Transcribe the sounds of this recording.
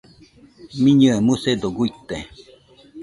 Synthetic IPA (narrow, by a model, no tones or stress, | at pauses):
mĩɲɨamɨsed̪oɡuit̪ːe